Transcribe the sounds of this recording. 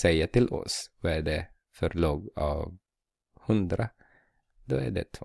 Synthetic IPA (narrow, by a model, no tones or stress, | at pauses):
ɛjːat̪ʰɪlʔɔ̰svɑɛɖɛ | fœɾɭuːɡɑ̰v | hɵnd̪ɾa | d̪ɔæɖɛ̰t̪ʰ